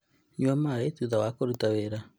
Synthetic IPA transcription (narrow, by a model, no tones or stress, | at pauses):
ɲamaɾaetuðawakoɾutaβeɾa